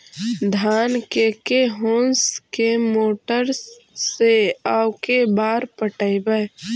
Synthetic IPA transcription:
d̪ʱaːnkekeɦõːnskemoːʈəɾsː | eaːʊkebaːɾpəʈəibəj

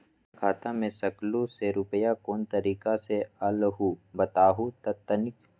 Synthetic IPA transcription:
kʰaːt̪amẽsɐkloseɾʊpəjakoːnt̪ɐɾiːkasealɦubɐt̪aːɦut̪ɐt̪ːənɪk

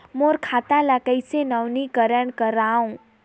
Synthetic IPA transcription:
moɾkʰaːt̪ãlakəɪsenəʋnikəɾəɳkəɾaũ

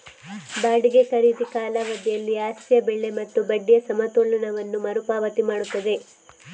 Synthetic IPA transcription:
baːɽiɡe̞kɐɾid̪ikaːlɐʋɐd̪ijɐlːiaːstjɐbɛɭːe̞mɐt̪ːubɐɖːijɐsɐmɐt̪oːlɐɳɐʋɐnːumɐɾupaːʋɐt̪imaːɽut̪ːɐd̪e̞

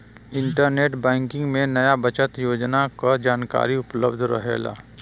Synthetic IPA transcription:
ɪ̃ɳʈəɾneːʈbɛ̃ːŋkɪ̃ŋɡmẽnɐjabɐt͡ʃət̪joːd͡ʒnakad͡ʒaːnka̰ːɾiʊpləbd̪ʱɾɐ̰ɦḛːɡa̰ː

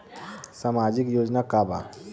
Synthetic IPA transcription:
samad͡ʒikjoːd͡ʒnakaːba̰

